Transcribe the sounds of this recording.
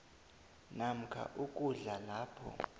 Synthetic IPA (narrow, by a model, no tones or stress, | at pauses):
nam̩kʰa̰ʔuk̬ʼuɮalaːpʰɔ̰